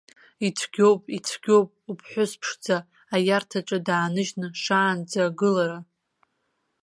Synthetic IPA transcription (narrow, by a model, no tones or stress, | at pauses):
it͡sʰɡ̥ʲo̞wpʼit͡sʷʰɡ̥ʲo̞wpʼupʰħʷᶣʊspʰʂd͡zaː | jartʰaʈ͡ʂʷʼadaːnɨʒnɨʂaːnd͡zaɡɨlaɾa